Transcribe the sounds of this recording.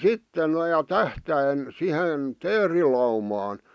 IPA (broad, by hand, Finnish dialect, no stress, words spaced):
sitːe noĭ jɑ tæhtæin sihen teːrilɑumɑːn